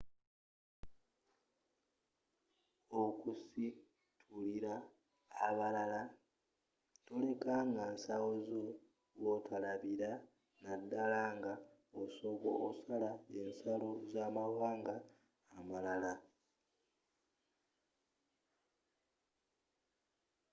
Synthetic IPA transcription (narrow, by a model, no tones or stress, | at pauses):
okusi | tʰuliɾaː | βalala | tole̞kaŋɡansawozo | βotʰalaβiɾa | nadːalaːŋɡaoso̞βo̰ʔːsalaensalozaːmawaːŋɡaː | malala